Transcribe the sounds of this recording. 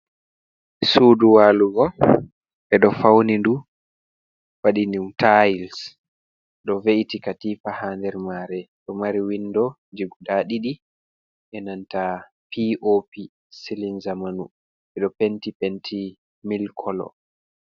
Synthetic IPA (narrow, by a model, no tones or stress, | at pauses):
suːduwaːluɡɔ | ɛɗɔfawnindu | waɗinimtʰajls | ɗɔveʔtikatifahandɛɾmaːɾɛɗɔmaɾiwinːdɔ | d͡ʒiɡuɗaɗiɗi | ʔɛnanta | piʔopi | silinzamanu | ɛɗɔpentipentʰi | milkʰɔlɔ̰